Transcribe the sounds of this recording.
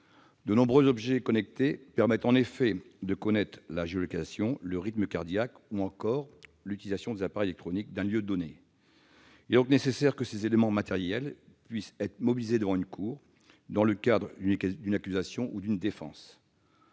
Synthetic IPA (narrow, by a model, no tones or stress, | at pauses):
d̪ənɔ̃bʁøzɔbʒɛkɔnɛk̚t̪epɛʁmɛt̪ɑ̃nefɛd̪əkɔnɛt̪χlaʒeolɔkasjɔ̃ləʁit̪məkaʁd̪jak | uɑ̃kɔʁlyt̪ilizasjɔ̃d̪ezapaʁɛjlɛk̚t̪χɔnik̚d̪ɛ̃ljød̪ɔne | iled̪ɔ̃knesesɛʁkəsezelemɑ̃mat̪ɛʁjɛl | pɥisɛt̪χmɔbilized̪əvɑ̃ynkʰuːʁ | d̪ɑ̃ləkad̪ʁd̪ynakʲyzasjɔ̃ʔud̪ynd̪efɑ̰̃ːs